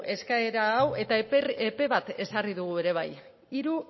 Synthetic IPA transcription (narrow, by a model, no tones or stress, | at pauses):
e̞skae̞ɾaːwe̞t̪aepe̞βat̪e̞sariðuɣue̞ɾe̞β̞a̰j | iɾu